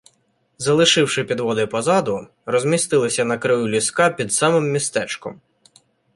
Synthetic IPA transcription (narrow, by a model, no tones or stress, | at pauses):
zɐlˠɪʃɪwʃɪpʲid̪ʋɔd̪ɪpɔzɑd̪ʊ | rɔzʲmʲist̪ɪlˠɪsʲɐnɐkɾɪjulʲiskɑpʲid̪sɑmɪmːʲist̪ɛt͡ʃkɔ̰m